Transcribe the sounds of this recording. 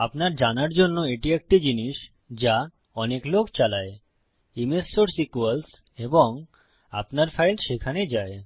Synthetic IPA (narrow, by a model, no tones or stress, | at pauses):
apnaɾd͡ʑanaɾd͡ʑonːoeʈiɛk̚ʈid͡ʑiniʃ | d͡ʑa | ɔneklokt͡ɕalae | imesːoɾsikuals | eboŋ | a̰pnaɾfajlʃekʰaned͡ʑae